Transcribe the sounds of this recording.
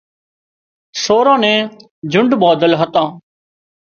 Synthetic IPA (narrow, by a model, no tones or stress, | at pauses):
soːɾãːnɛ̃ː | d͡ʒʱʊɳɖbɔːd̪əlɦət̪ãː